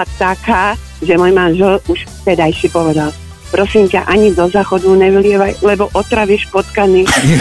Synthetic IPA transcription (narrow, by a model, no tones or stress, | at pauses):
at̪akaː | ʒɛmɔjmaːnʒɛluʃt̪ɛd̪ajʃipɔʋɛd̪al | pɾɔsiːmcaʔaɲid̪ɔzaːxɔd̪uɲɛʋilɪɛʋajlɛbɔʔɔt̪ɾaʋiɛʃpɔt̪kani